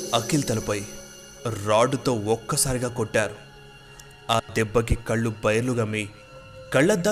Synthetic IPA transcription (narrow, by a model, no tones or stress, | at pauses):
ɐkilt̪ɐlɐpɐj | ɾaːɖut̪o̞ːɔkːɐsaːɾiɡaːkoʈːaːɾu | aːd̪ɛbːɐk̬ikɐɭːubɐjɐɾluɡɐmiː | kɐɭːɐd̪ːa